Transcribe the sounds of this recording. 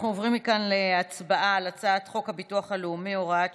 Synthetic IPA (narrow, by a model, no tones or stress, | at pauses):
χnuovʁimːikanleat͡sbaʔalat͡satχo̞khabituaχaluumːioʁad